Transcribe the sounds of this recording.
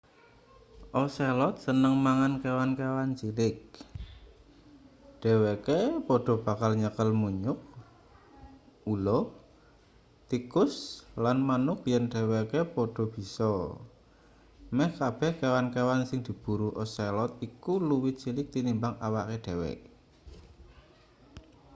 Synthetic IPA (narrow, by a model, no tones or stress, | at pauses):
ʔɔselɔt̪̚sənəŋmaŋankewankewant͡ʃilɪk̚ | ɖ̥ɛ̤wekepɔɖ̥ɔ̤b̥a̤kalɲəkəlmuɲʊk̚ | ulɔ | t̪ikʊslanmanʊk̚jɛnɖ̥ɛ̤wekepɔɖ̥ɔ̤b̥i̤sɔ | mɛhkab̥ɛhkewankewansɪŋd̪̥i̤b̥ṳɾuʔɔselɔt̪̚ikuluwɪt̪̚t͡ʃilɪk̚t̪inimbaŋa̰wa̰ʔkeɖ̥ɛ̤wɛ̰ʔ